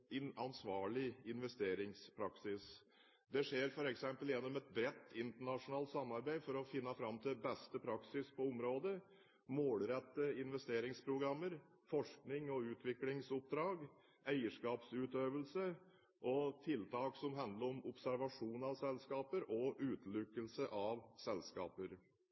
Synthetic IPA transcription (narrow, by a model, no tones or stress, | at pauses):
ɪnɑnsʋɑːɭɪɪnʋɛst̪eːɾɪŋspʰɾɑksɪs | d̪ɛʂeːɾfɔɾɛksɛmpəljɛnːɔmɛt̪̚bɾɛt̪ːɪnt̪əɳɑʂʊnɑːlt̪sɑmːɑɾbæɪfɔɾɔfɪnːəfɾɑmːt̪ʰɪbɛst̪əpʰɾɑksɪspʰɔɔmɾoːd̪ə | moːlɾɛt̪ːəɪnʋɛst̪eːɾɪŋspʰɾʊɡɾɑmːəɾ | fɔʂknɪŋɔʉːt̪ʰʋɪklɪŋsʊp̚d̪ɾɑːɡ | æɪəʂkɑːpsʉːt̪øːʋəlsə | ʔɔt̪ʰɪlt̪ʰɑːksɔmɦɑnd̪ləɾɔmʊpsæɾʋɑʂuːnɑʋsɛlskɑːpəɾʔɔʔʉːt̪lʉkːəlsəʔɑʋsɛlskɑ̰ːpəɾ